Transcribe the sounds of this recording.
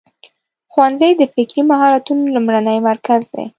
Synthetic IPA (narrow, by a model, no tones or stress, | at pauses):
xwanzəjd̪əfɪkɾimaɦɑɾat̪unolumɽanəjmaɾkazd̪ḛ